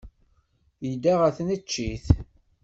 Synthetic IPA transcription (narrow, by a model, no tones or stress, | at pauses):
jəd̪aʁæθnət͡ʃːiθ